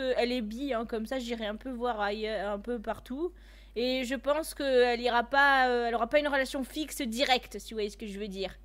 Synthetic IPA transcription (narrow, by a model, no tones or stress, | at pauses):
əɛlɛbiɛ̃kɔmsaʒiʁɛɛ̃pøvwaʁajœʁɛ̃pøpaʁt̪u | eʒəpɑ̃skəɛliʁapaøɛlɔʁapaynʁəlasjɔ̃fiksəd̪iʁɛkt̪siwajɛsə̥kəʒəvød̪iːʁ